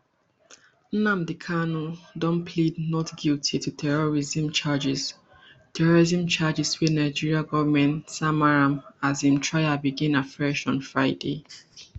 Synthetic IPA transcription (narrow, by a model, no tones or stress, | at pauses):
n̩nãmdikʰanudɔ̃npʰlidnɔtɡiltʰitutʰɛɹɔɹizĩmt͡ʃad͡ʒis | tʰɛɹɔɹizĩmt͡ʃad͡ʒiswɛnaɪd͡ʒiɹiaɡɔvamɛ̃ntsamaɹãmazĩmtʰɹaɪjabiɡĩnafɹɛʃɔ̃nfɹaɪde